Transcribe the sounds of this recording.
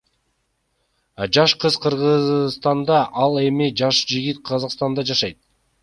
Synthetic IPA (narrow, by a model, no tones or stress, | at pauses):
ɑd͡ʒɑʃqʰɯzqʰɯɾʁɯzst̪ɑnd̪ɑʔɑlˠe̞mid͡ʒɑʃd͡ʒiɡʲit̪̚qʰɑzɑqst̪ɑnd̪ɑd͡ʒɑʃɑjt̪̚